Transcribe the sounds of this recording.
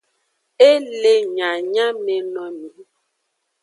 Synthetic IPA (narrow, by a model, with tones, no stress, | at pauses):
e˦le˦ɲã˨ɲã˦me˨nɔ̃˨mĩ˨